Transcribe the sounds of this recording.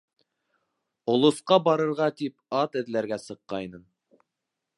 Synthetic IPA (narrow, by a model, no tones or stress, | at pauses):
ŏlˠŏsqɑbɑɾɤ̆ɾʁɑt̪ipɑt̪ɘ̆ðlæɾɡæsɤ̆qːɑjnɤn